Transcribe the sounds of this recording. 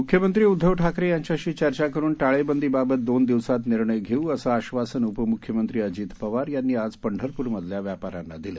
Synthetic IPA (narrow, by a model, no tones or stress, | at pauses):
mukʰjəmənt̪ɾiːud̪ʱːəʋʈʰakɾejaɲt͡ɕjaɕiːt͡ɕəɾt͡ɕakəɾuːnʈaɭebənd̪iːbabət̪̚d̪ond̪iʋsat̪niɾɳəjɡʱeuəsaːɕʋasənupəmukʰjəmənt̪ɾiːəd͡ʑiːt̪pəʋaɾjanːiːad͡zpəɳɖʱəɾpuːɾməd̪ʱljaʋjapaɾanːa̰d̪ile